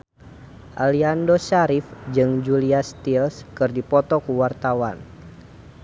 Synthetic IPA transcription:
ʔaliandoʃaɾifd͡ʒɨŋd͡ʒuliast̪ilskɨrdipɔt̪ɔkuwart̪awan

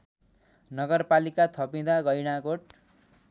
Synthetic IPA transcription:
nʌɡʌrpalikat̪ʰʌpĩd̪aɡʌjɽ̃aɡoʈ

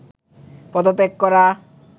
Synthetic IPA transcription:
pɔd̪ot̪ekːɔɾa

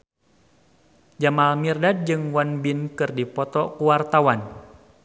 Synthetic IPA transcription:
d͡ʒamalmirdad̚d͡ʒɨŋwanbinkɨrdipɔt̪ɔkuwart̪awan

